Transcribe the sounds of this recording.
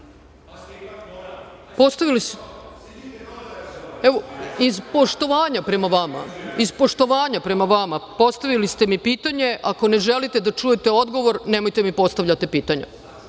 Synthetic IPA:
po̞st̪aʋilis | eʋoizpo̞ʃt̪o̞ʋaːɲapɾe̞maʋama̰izpo̞ʃt̪o̞ʋaːɲapɾe̞maʋamapo̞st̪aʋilist̪e̞mipiːt̪aɲe̞ʔako̞ne̞ʒe̞lit̪e̞d̪at͡ʃuje̞t̪e̞o̞d̪ɡo̞ʋo̞ɾne̞mo̞jt̪e̞mipo̞st̪aʋʎat̪ipiːt̪aɲa̰

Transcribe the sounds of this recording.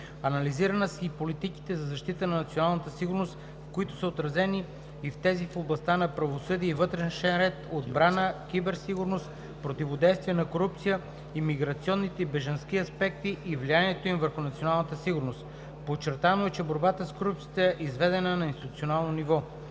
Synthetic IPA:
ɐnɐliziɾənəsipolit̪iki̥t̪ɛzɐzɐʃt̪it̪ənɐnɐt̪sionalˠnət̪əsiɡʊɾnost̪ | fkoit̪ʊ̥səot̪ɾɐzɛniː | ft̪ɛzifoblˠɐst̪anɐpɾɐvosɤd̪iɛivɤt̪ɾɛʃɛnɾɛt̪od̪bɾanəkʲibɛɾsiɡuɾnost̪ | pɾot̪ivod̪ɛjst̪viɛnɐkoɾup̚t̪sijə | imiɡɾɐt̪siɔnːit̪ɛibɛʒɐnsk̟iɐspɛk̚t̪iʔivlijaniɛt̪oimvəɾxʊnɐt̪sionalˠnət̪əsiɡʊɾnost̪ | pot͡ʃːɛɾt̪anoɛt͡ʃɛboɾbat̪əskoɾup̚t̪sit̪əɛʔizvɛd̪ɛnənɐinst̪it̪ut̪ionalˠnonivɔ

